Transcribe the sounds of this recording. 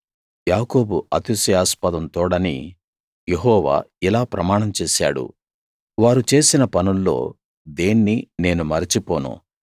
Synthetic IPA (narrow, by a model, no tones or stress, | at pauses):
jaːko̞ːbuɐt̪usijaːspɐd̪ɐnt̪ɔːɽɐnḭ | jeɦɔːʋa̰ːilaːpɾɐmaːɳɐmt͡ʃeːʃa̰ːɽṵ | ʋaːɾut͡ʃe̞ːsinɐpɐnunːo̞̰ː | d̪eːnːine̞ːnumɐɾit͡ʃipoːnṵ